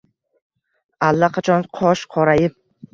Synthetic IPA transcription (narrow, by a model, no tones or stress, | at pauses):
alːaqʰɑt͡ʃʰɒnqʰɒʃqʰɒɾajɪp̚